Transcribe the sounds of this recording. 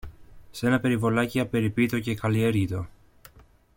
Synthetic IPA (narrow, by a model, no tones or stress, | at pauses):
se̞nɐpe̞ɾivo̞lɐciɐpe̞ɾipit̪o̞ce̞kɐlie̞ɾʝit̪o̞